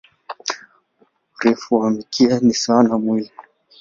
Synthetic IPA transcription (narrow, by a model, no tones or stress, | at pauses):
ɾɛfuamikʰianisanamwili